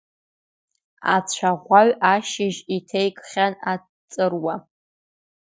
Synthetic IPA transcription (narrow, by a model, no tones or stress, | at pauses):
a̰t͡ɕʷʰaʁʷaɥaʃɪʒitʰejkʼχʲana | t͡sʼɨrwa